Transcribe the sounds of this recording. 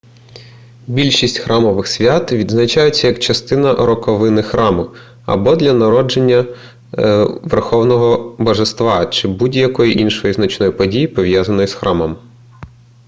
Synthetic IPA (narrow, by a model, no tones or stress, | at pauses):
bʲilʲʃisʲtʲxɾʔɑmɔʋɪxsʲʋʲat̪ʋʲid̪znɐt͡ʃajʊt͡sʲːɐjɐkt͡ʃɐst̪ɪnɐʔɾɔkɔʋɪnɪxɾʔɑmʊ | ɐ̰bɔd̪lʲɐnɐɾɔd͡ʒe̞nʲːɐ | ʋerxɔwnɔɦɔbɔʒest̪ʋɑt͡ʃɪbudʲjɐkɔjiʔinʃɔjiznɐt͡ʃnɔjipɔdʲijipɔʋjazɐnɔjisxɾʔɑmɔm